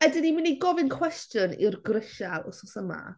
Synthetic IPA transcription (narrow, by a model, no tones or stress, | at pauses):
ɛdɪnimɪneɡɔvɪnkʰw̥ɛstjənḭrɡrɪʃalˠɔ̰sɔsəma̰